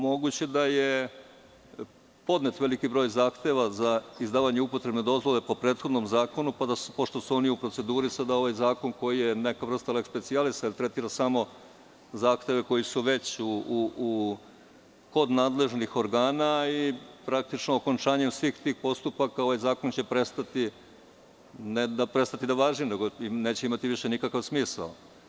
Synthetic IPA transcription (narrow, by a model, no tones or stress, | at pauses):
mo̞ɡut͡ɕe̞d̪aje̞ | po̞d̪net̪ʋe̞likibɾo̞ːjzaːxt̪e̞ʋazaizd̪aːʋaɲeupo̞t̪ɾe̞bned̪o̞zʋo̞le̞po̞pɾe̞ːt̪xo̞d̪no̞mzaːko̞nupad̪aspoʃt̪o̞suo̞niupɾotse̞d̪uːɾisad̪ao̞ʋajzaːko̞nko̞jije̞ne̞kaʋr̩st̪alekspe̞t̪sialisailt̪ɾe̞t̪iːɾasamo̞ | zaːxt̪e̞ʋe̞ko̞jisuʋe̞t͡ɕuu | ko̞d̪naːd̪le̞ʒnixo̞ɾɡaːnaipɾak̚t̪it͡ʃnooko̞nt͡ʃaːɲe̞msʋiːxt̪iːxpo̞st̪upakao̞ʋajzaːko̞nt͡ɕe̞pɾe̞st̪at̪i | ned̪apɾest̪at̪id̪aʋaːʒimne̞ɡoneːt͡ɕeimat̪iʋiʃe̞nikakaʋsmiːsa̰l